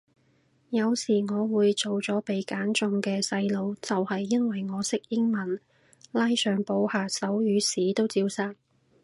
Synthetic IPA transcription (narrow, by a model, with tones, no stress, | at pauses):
jɐ˨˧wsiː˨˩ŋɔː˨˧wuː˨˧jt͡so˨wt͡sɔː˨˥pe˨jkaː˨˥nt͡sʊ˧ŋkɛː˧sɐ˧jlo˨˧wt͡sɐ˨whɐ˨jːɐ˥nwɐ˨jŋɔː˨˧sɪ˥k̚jɪ˥ŋmɐ˨n | laː˥jsœː˨ŋpo˨˧whaː˨sɐ˨˥wjyː˨˧siː˨˥t̪o˥wt͡siː˧wsaː˥t̚